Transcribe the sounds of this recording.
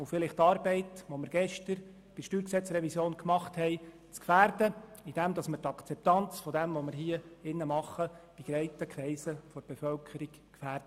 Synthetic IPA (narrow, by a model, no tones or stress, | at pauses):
ʊfɪlɪχtɑːɾbɛɪtʋoməɾɡ̥ɛʃtəɾ | b̥ɪʃtyːɾksɛt͡srɛvisjoːnkmɑχthɛɪ | t͡skfæːrdəid̥ɛmdɑsməɾtɑkʰt͡sɛp̚tɑnt͡sfɔdɛmʋoməɾɦiəɪnːəmɑχːəb̥iɡ̥ɾɛɪtəkʰɾɛɪsəfɔɾb̥efœlkʰəɾik | kfæːɾdə